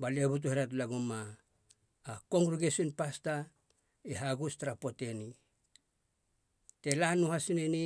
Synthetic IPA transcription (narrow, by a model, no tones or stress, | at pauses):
bale̞but̬uhiɾat̬laɡumːaː | ko̞ŋɡɾuɡesionpasta | iɦaɡustaɾapo̞te̞ni | te̞lanuhasineni